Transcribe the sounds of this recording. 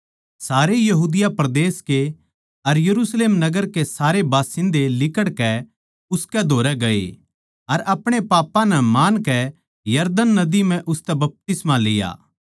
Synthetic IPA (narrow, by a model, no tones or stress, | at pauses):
saːɾejɐɦuːd̪ɪjapɾɐd̪eːske | ɐɾjɐɾuːsleːmnɐɡəɾkesaːɾebaːsɪ̃nd̪elɪkəɽkɛ | ʊskɛd̪ʱoːɾɛɡɐḛ | ɐɾɐpɽ̃epaːpːãnɛmaːnkɛ | jɐɾd̪ənːɐd̪imɛ̃ʔʊst̪ɛbɐp̚t̪ɪsmãleːja̰ː